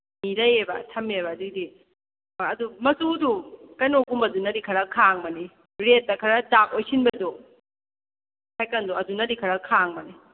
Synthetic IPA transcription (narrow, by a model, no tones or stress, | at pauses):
miɾɐjebɐ̰tʰɐmebɐːdudi | maːdumɐsudukɐjnoɡumbɐdunɐɾikʰɐɾɐkʰaŋmɐni | ɾet̚ːɐkʰɐɾɐdak̚ojsinbɐdɔ | kʰajkɐndɔɐdunɐdikʰɐɾɐkʰaŋmɐni